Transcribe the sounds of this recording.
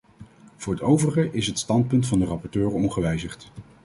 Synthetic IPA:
v̥ʊːɹɦətowvərəχəʔɪsɦətstɑnt̚pɵntfɑndərɑpɔɹtøːrɔnχəʋɛjzəχt

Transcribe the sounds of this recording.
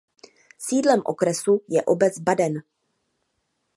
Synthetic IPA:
siːdlɛmʔo̰kɾɛsujɛʔobɛd͡zbadɛn

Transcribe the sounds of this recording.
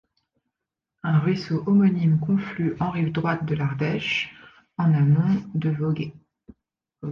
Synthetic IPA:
ɛ̃ʁɥisoʔɔmɔnimkɔ̃flyʔɑ̃ʁivd̪ʁwat̪̚d̪əlaʁd̪ɛʃ | ɑ̃namɔ̃d̪əvɔɡe

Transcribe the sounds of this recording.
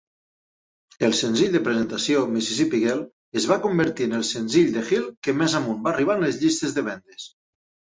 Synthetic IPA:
elˠsenziʎd̪epɾezent̪asiomisisipiɣel | ezβ̞akombeɾt̪iənelˠsenziʎd̪exilˠkemɛzamunbariβ̞anlezʎist̪ezðeβɛnd̪es

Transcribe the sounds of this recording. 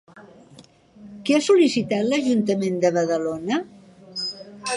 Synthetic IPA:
keasulisit̪at̪ləʒunt̪əmend̪əβ̞əðəlonə

